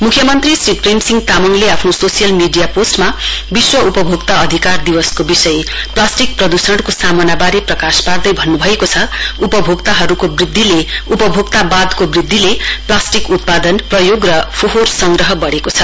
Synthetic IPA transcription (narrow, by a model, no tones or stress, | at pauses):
mukʰjʌmʌnt̪risripʰrimsiŋɡt̪amʌŋleapʰnososijʌlmiɖijaposʈmabiswʌupʌbʱoɡt̪aʌd̪ʱikard̪iwʌskobisʌjplasʈik̚prʌd̪usʌɽkosamʌnabaɾeprʌkaspard̪ʌjbʱʌnːubʱʌekot͡sʰʌupʌbʱoɡt̪aɦʌɾukobrid̪ʱːileupʌbʱoɡt̪abad̪kobrid̪ʱːileplasʈikut̪̚pad̪ʌnprʌjoɡrʌpʰoɦorsʌŋɡrʌɦʌbʌɽekot͡sʰʌ